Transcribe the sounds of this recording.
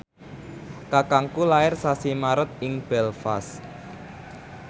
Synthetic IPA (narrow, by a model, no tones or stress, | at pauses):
kakaŋkulaɪrsasimaɾət̪̚ɪŋb̥ɛlfa̰s